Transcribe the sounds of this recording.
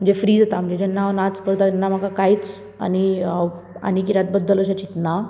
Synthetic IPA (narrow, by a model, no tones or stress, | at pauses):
məɳd͡zefɾiːd͡zət̪am̤əɳnd͡zed͡ʑɛnːanat͡skəɾt̪at̪ɛnːam̤akʰakajt͡s | a̰ni | a̰nik̬iɾjat̪̚bəd̪ːələɕ̬at͡ɕit̪na